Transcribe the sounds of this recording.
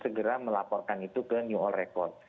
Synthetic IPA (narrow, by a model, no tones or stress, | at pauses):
səɡəɾaməlapɔrkanit̪ukənjuɔlrekɔrt̪̚